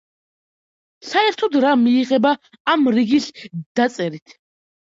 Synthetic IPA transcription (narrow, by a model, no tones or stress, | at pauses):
saɛɾt̪ʰɔd̪ɾamiːʁɛbaː | mɾiɡisd̪̥at̪sʼɛɾit̪ʰ